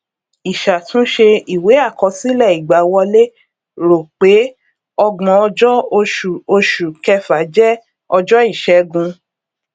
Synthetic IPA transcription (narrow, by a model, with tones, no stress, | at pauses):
i˨ʃa˨tũ˨˦ʃe˧i˨we˨˦a˦˨kɔ˨˧si˦lɛ˦˨i˨ɡ͡ba˨˦wɔ˧le˦ | ɾo˨k͡pe˨˦ | ɔ˧ɡ͡bɔ̃˧˦ɔ˧d͡ʒɔ˦o˧ʃu˨o˧ʃu˨kɛ˧fa˨˦d͡ʒɛ˦ | ɔ˧d͡ʒɔ˦i˦˨ʃɛ˨˦ɡũ˧